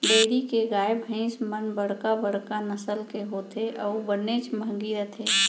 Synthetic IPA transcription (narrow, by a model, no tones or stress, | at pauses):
ɖeɪɾikeɡaːjbʱə̃ɪsmənbəɽ̤kabəɽ̤kanəsəlkeɦoːt̪ʰeʔɔʊbənet͡ʃmə̃ŋɡiɾət̪ʰeː